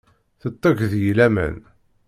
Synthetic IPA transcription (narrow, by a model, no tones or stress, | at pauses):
θət̪ˤːɑʝðjilæmə̰n